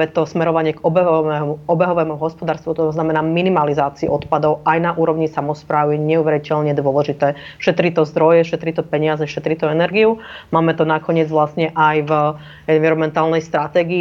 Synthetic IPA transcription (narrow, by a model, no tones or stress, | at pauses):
ɛt̪ɔsmɛɾɔʋaɲɪɛɡɔbɛɛmuɔbɛɦɔʋɛːmuɦɔspɔd̪aːɾst̪ʋut̪ɔɔznamɛnaːminimalizaːt͡siḭʔɔt̪pad̪ɔʊajnaʔuːɾɔʊɲisamɔspɾaːwujɛɲɛuʋɛɾicɛʎɲɛd̪ʊɔlɛʒit̪ɛːʃɛt̪ɾit̪ɔzd̪ɾɔjɛfʃɛt̪ɾit̪ɔpɛɲɪazɛʃɛt̪ɾit̪ɔɛnɛɾɡiumaːmɛt̪ɔnakɔɲɪɛd͡zʋlasɲɛʔajv | ɛnʋiɾɔmɛnt̪aːlnɛjst̪ɾat̪ɛːɡiː